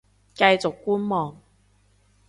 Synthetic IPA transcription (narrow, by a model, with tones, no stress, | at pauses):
kɐ˧jt͡sʊ˨kːuː˥nmɔː˨ŋ